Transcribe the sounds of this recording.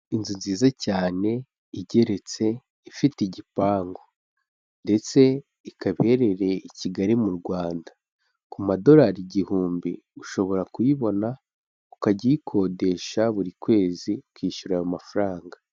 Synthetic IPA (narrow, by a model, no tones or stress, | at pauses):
inzunziːzacaːne̞ | iɟe̞ɾe̞t͡se̞ | ifitiɟipaːŋɡo̞ | nnde̞t͡se̞ | ikaβe̞ɾe̞ɾe̞iciɡaɾimuɾɡwaːnda | kumado̞ɾaɾiɟihuːmbi | uʃo̞βo̞ɾakujiβo̞na | ukaɟikʰo̞ːde̞ʃaβuɾikwe̞ːzikwiːʃuɾajomafaɾaːŋɡa